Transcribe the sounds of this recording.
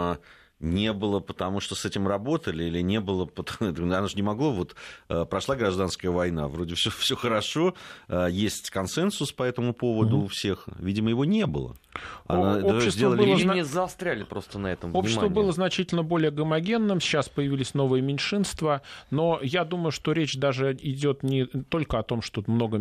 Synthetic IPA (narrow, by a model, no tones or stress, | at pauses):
nʲe̞bɨlˠəpət̪ɐmuʂt̪osɛtʲɪmrɐbo̞t̪əlʲɪilʲɪnʲe̞bɨlˠəpət̪anaʐnʲɪmɐɡlˠovo̞t̪əpɾɐʂlˠaɡɾɐʐd̪anskəjəvɐjna̰vɾodʲɪbfsʲofsʲoxəɾɐʂo̞əjesʲtʲkɐnsɛnsʊspɐɛt̪əmʊpo̞vəd̪ʊːfsʲexvʲidʲɪməjɪvonʲe̞bɨ̰lˠə̰ | ɐ̰naopɕːɪszʲd̪ʲelˠəlɪənʲɪzɐlˠst̪ɾʲælʲɪpɾost̪ənɐɛt̪əmvopnʲʃɪɪsvəbɨlˠəznɐt͡ɕitʲɪlʲnəbo̞lʲɪjəɡəmɐɡʲe̞nːɨmːaspəjɪvʲilʲɪsʲno̞vəjəmʲɪnʲʂɨnst̪vəno̞jad̪uməjʊʂt̪o̞ɾʲet͡ɕd̪aʐɨɪdʲo̞t̪nʲɪt̪o̞lʲkəɐt̪o̞mʂt̪ot̪mno̞ɡə